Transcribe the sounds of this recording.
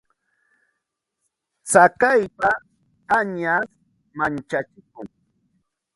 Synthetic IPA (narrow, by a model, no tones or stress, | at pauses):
t͡sakajpa | aɲas | mant͡ʃat͡ʃɪkʊŋ